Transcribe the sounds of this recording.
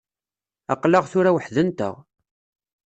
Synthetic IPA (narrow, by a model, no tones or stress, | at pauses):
ɑ̰qləʁθʊɾæwəħðənt̪ə̰ʁ